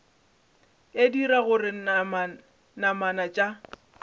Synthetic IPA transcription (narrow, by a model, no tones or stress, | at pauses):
ediɾaɣʊrɪ | namanat͡ʃʼa